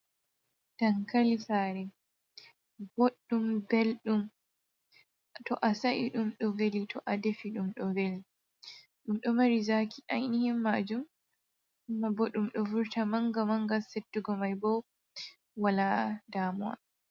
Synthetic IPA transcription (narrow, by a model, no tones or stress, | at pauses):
taŋkalisaɾɛ | bɔɗːumbɛlɗum | tɔʔasaʔḭɗumɗɔvelitʰɔʔadefiɗumɗɔveli | ɗumɗɔmaɾizaːkʰiʔajnihimːad͡ʒum | mːabɔɗumɗɔvuɾtamaŋɡamaŋɡasetːuɡɔmajbɔ | waladaːmua̰